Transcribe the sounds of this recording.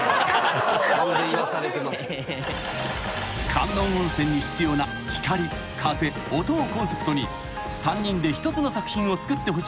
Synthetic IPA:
kʰãnːõõɰ̃sẽ̞ɲ̟ːiçi̥t͡sɨjo̞ːna | çʲi̥kaɾʲi | kʰase̞ | ot̪oːkõ̞ɰ̃se̞pɯ̥t̪o̞ɲ̟i | sãɲ̟ːĩnd̪e̞çi̥t̪o̞t͡sɨno̞sakɯ̟̥çĩɰ̃o̞t͡sɨ̥kɯ̟t̪ːe̞ɦo̞ɕ

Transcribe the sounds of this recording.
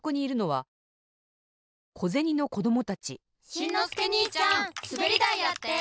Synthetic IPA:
koɲ̟iːɾɯ̟no̞βa | kʰo̞ze̞ɲ̟ino̞ko̞d̪o̞mo̞t̪at͡ɕi | ɕĩnoseɲit͡ɕãsɨbeɾʲid̪aijat̪ːe

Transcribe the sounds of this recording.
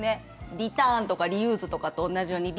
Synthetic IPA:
ne̞ | ɾʲit̪ãːnt̪o̞kaɾʲijɯ̟ːzɨt̪o̞kat̪ːõːnːaʑijo̞ːɲ̟iɾʲ

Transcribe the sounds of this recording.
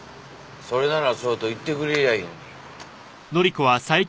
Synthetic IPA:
so̞ɾe̞naɾasoːt̪oit̪ːe̞kɯ̟ɾejain | no̞ɾʲikoβasai

